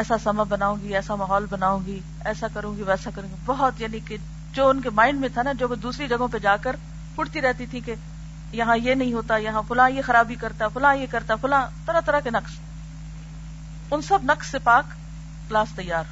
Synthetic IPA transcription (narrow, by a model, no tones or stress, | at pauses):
ɛːsasɐmabɐnaːõːɡiɛːsamaːɦɔːlbɐnaːũːɡi | ɛːsakɐɾũːɡiʋɛːsakɐɾũːɡibɐɦɔt̪jaːnike | d͡ʒoːʊnkemãːɪɳɖmẽt̪ʰanad͡ʒoːʋd̪uːsɾid͡ʒɐɡõped͡ʒaːkəɾ | pʊɽt̪iɾɛɦt̪it̪ʰĩke | jɐɦãjenɐɦĩɦoːt̪ajɐɦãfʰʊlãjexɐɾaːbʱikɐɾt̪aɦɛfʰʊlãːjekɐɾt̪aɛfʰʊlãt̪ɐɾat̪ɐɾakenɐks | ʊnsɐbnɐksːepaːk | klaːst̪ɐjːaːɾ